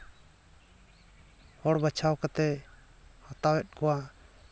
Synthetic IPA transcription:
hɔɽbat͡ʃʰawkat̪ɛ | hɔt̪awɛt̪̚kɔwa

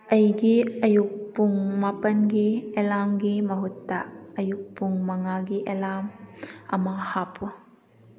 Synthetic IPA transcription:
ʔɐjɡiɐjuk̚puŋmapɐnɡiɛlamɡimɐɦutːaʔɐjuk̚puŋmɐŋaɡiʔɛlamɐmahapu

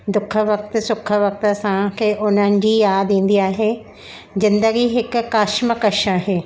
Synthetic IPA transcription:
d̪ʊkʰə̆ʋɐk̚t̪̆sʊkʰə̆ʋɐk̚t̪ə̆sãkʰeːʔʊn̤ənɪ̆d͡ʑiːjaːd̪ĩːn̆d̪iaːɦeː | zɪ̃nd̪əɡiɦɪkʊ̆kːaːʃməkɐʃaːɦeː

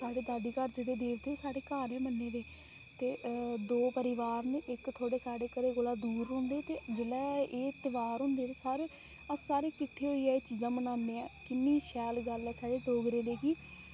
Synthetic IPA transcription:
saːɽeːd̪aːd̪iːkəɾd͡ʒeːɽeːd̪eːʋt̪eːoːsaːɽeːkaːɾẽːmənːeːd̪eː | t̪eːd̪oːpəɾɪʋaːɾnʔɪkt̪ʰoːɽeːsaːɽeːkəɾeːɡolaːd̪uːɾʊ̃ːnd̪eːt̪eːd͡ʒeːlɛːeːt̪ɪʋaːɾɦʊ̃ːnd̪eːt̪eːsaːɾe | əsaːɾeːkɪʈʰːeːɦoiːɛːt͡ʃiːzãːmənãːnd̪eːãːkɪnːiːʃɛːlɡəlɛːsaːɽeːʈoːɡɾeːd̪eːkiː

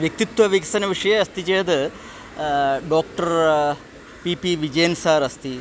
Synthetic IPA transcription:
ʋjɐk̚t̪it̪wɐʋiksɐnɐʋiʂɐjɐɐst̪it͡ʃejɐd̪ɨ | ɖoːk̚ʈɐɾ | piːpiʋid͡ʒɐjɐnsaːɾɐst̪i

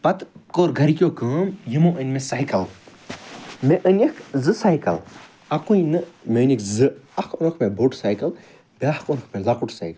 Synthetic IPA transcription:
pɐt̪koːɾɡʱɐɾikʲjoːkəːmjimõːʔənʲmẽsaːjkɐl | meʔənʲikʰzɨsaːjkɐ̰l | ɐkuinɨmenʲikzɨɐkʰonokʰmẽboːʈsaːjkɐl | bʲaːhkonkʰmelakuʈʰsa̰ːjkɐl

